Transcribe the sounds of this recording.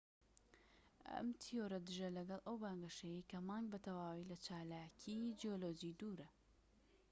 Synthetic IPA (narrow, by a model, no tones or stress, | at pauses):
ʔɐ̰mt̪ʰijoɾɐd̪ɨʒɐlɐɡɐlˠʔɐwbaːŋɡɐʃɐjejkɐmɑːŋɡ̚bɐt̪ʰɐwaːwilɐt͡ʃaːlaːkʰid͡ʒijoloːd͡ʒid̪uːɾɐ